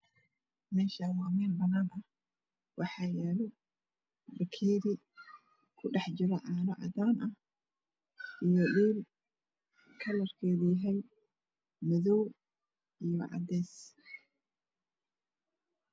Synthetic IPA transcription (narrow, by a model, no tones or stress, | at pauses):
mɛːʃɐwaːmɛːnbɐnaːnɐh | wʔɑħɑːjɛːlɔ | bɐkʰiːɾɪ | kʰʊɖɛħt͡ʃɪɾɐʕɑːɾɐʕɑ̰d̪aːnɐh | ʔijɔɗiːl | kʰɐlɐrkʰɛːðujɐɦɛj | mɐðɔw | ijɔʕɑ̰d̪ɛːs